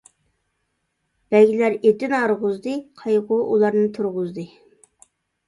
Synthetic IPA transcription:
b̥ɛɡʲilæɾed̪ynɑɾʁʊzd̪ɨqʰɑjʁʊʔulˠɑɾnɨt̪ʰuɾʁʊzd̪ɨ

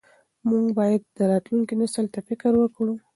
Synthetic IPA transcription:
muŋɡbɑjad̪̚ːəɾɑt̪luŋkinasəlt̪afɪkəɾwəkɽu

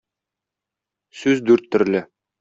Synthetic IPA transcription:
sʉzd̪ʉɾt̪ːɵ̆ɾlɘ

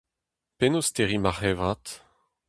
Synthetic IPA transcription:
penost̪eʁimaʁɛvʁat̪

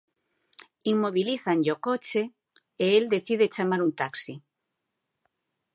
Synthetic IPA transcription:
iŋmoβiliθaŋʎokot͡ʃe | eeld̪eθið̞et͡ʃamaɾunt̪aksi

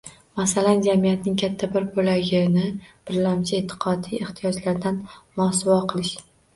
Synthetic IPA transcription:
masaland͡ʒamijat̪nɪŋkʲʰat̪ʰːabɪɾbolaɡʲɪnɪb̥ɪɾlamt͡ʃʰaet̪ʰːɪ̥qʰɒd̪ieht̪ʰijɒd͡ʒlaɾd̪anmʊɒsʊvɒqʰɨlˠɪʃ

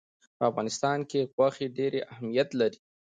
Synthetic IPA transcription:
pəafɣɑnɪst̪ɑnkeɣwaxeɖeɾeʔahmijat̪laɾi

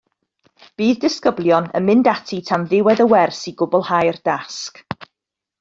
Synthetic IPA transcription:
b̥iːðdɪskəblˠjɔnə̰nmɪndatʰitʰamðɪwɛðəwɛrsiɡʊbɔlˠhajrd̥ask

